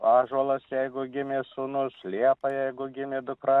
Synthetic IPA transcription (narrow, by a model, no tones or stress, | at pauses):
ɑːʒɔlˠɐsjɛɪɡʊɡʲɪmʲesuːnʊslʲiɛpɐjɛɪɡʊɡʲɪmʲɪd̪ʊkɾɑ